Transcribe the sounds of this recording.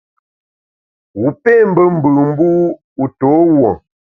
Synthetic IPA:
wu˨pe˦˨m̩˦bə˦m̩˨bə˨m̩˦bu˦ | u˨to˨˦wɔ˨

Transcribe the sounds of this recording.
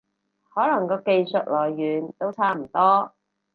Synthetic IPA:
hɔː˨˥lɐ˨˩ŋkɔː˧ke˧jsɵ˨t̚lɔː˨˩jːyː˨˧nt̪o˥wt͡sʰaː˥m̩˨˩t̪ɔː˥

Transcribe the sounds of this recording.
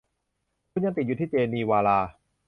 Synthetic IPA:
kʰu˧˥˩nja˧ŋt̪i˨˩t̪̚juː˨˩t̪ʰiː˥˩t͡ɕeː˧niː˧waː˧laː˧

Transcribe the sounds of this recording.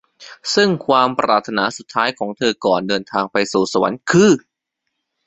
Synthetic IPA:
sɯ˥˩ŋkʰwaː˧mpɾʔa̰ː˨˩t̪ʰːa˧naː˩˦su˨˩t̪ʰːaː˦˥jkʰɔː˩˦ŋt̪ʰɤː˧kɔː˨˩ndɤː˧nt̪ʰaː˧ŋpa˧jsuː˨˩sa˧wa̰˨˩˦nkʰɯː˧˩

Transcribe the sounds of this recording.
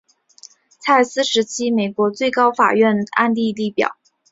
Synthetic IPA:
t͡sʰa˥˩sɹ̩˥ʂɻ̩˧˥t͡ɕʰi˥me˨˩ɪkwɔ˧˥t͡swe˥˩ɪkɑ˥ʊfa̰˨˩ɥɛ˥˩na̰˥˧nt̪i˥˧li˥˩pjɑ̰˨˩˦

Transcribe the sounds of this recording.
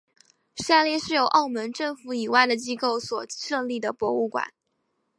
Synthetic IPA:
ʂa˥˧ljɛ˥˧ʂɻ̩˥˩jo˨˩ʊʔɑ˥˩ʊmə˧˥nʈ͡ʂɤ˥˩ŋfu˧˥i˨˩wa˥˩ɪd̪ə˩t͡ɕi˥ko˥˩ʊswɔ˨˩ʂɤ˥˧ŋli˥˩d̪ə˩pwɔ˧˥u˥˩kwa̰˨˦n

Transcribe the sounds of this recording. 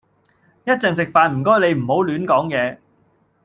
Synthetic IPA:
jɐ˥t̚t͡sɛ˨ŋs̬ɪ˨k̚faː˨˧nm̩˨˩kɔː˥jle˨˧jm̩˨˩ho˨˥wlyː˨˥nkɔː˨˥ŋjɛː˨˧

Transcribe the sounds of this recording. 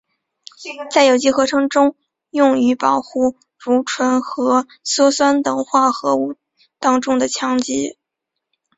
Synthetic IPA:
t͡sa˥˩ɪjo˨˩ʊt͡ɕi˥xɤ˧˥ʈ͡ʂʰɤ˧˥ŋʈ͡ʂʊ˥ŋ | jʊ˥˩ŋy˧˥pɑ˨˩ʊxu˥˩ | ɻu˧˥ʈ͡ʂʰwə˧˥nxɤ˧˥ | sɔ˥swa˥nt̪ɤ˨˩ŋxwa˥˩xɤ˧˥u˥˩ | t̪ɑ˥ŋʈ͡ʂʊ˥ŋd̪ə˨t͡ɕʰjɑ˧˥ŋt͡ɕḭ˥

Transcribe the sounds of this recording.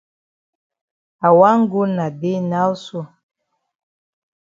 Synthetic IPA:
a˨wa˦ŋ˦ɡu˦na˨de˦na˦lsu˦˨

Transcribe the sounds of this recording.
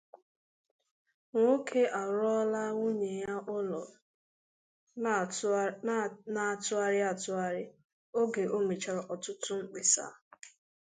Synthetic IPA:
ŋʷo˦kʰe˦ʔa˨ɾɔ˦la˦ŋʷu˦ɲe˨ja˦ʔʊ˦lɔ˨ | na˨a˨tʊ˦a˦ɾɪ˦a˨tʊ˦a˦ɾɪ˦ | o˦ɡe˨ʔo˦me˨t͡ʃa˨ɾɔ˨ʔɔ˨tʊ˦tʊ˦ŋ͡m̩˦k͡pe˨sa̰˦

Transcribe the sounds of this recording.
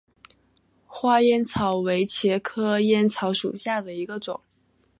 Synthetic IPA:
xwa˥jɛ˥nt͡sʰɑ˧˥ʊwe˧˥ɪt͡ɕʰjɛ˧˥kʰɤ˥jɛ˥nt͡sʰɑ˧˥ʊʂṵ˨˩ɕja˥˩d̪ə˩i˧˥ɡə˧ʈ͡ʂʊ̰˨˩˦ŋ

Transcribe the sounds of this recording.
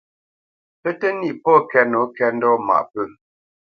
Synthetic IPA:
pə˦tə˦ni˦ʔpɔ˦kɛ˦no˨˦kɛ˦n̩˦dɔ˦ma̰˨ʔpə˦˨

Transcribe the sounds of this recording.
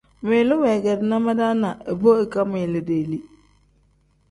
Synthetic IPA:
meː˨lɪ˦wɛ˨ɡɛ˨dɪ˨na˦ma˦da˦na˨ə˨bo˦e˨ka˦mɪ˨lɪ˨de˨li˦

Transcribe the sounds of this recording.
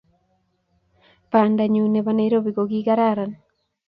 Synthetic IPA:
pa˨nda˨ɲu˨ne˨bane˦i˦ɾo˦bi˨ko˨ɡi˦ka˦ɾa˦˨ɾa˨n

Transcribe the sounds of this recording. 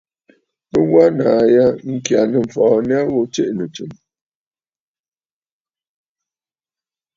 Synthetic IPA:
pə˦wa˦naː˨˦ja˦ŋ̩˨kja˨nə˨m̩˨fɔː˨˦n˦a˦wo˦t͡ʃe˦ʔnə˨t͡ʃɨ˨m

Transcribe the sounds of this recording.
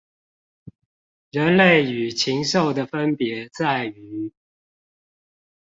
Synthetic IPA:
ɻə˧˦nle˥˨ɪy˨˩t͡ɕʰi˧˥ŋʂo˥˩ʊd̪ə˨fə˦˥npjɛ˧˥t͡sa˥˩ɪy˨˦

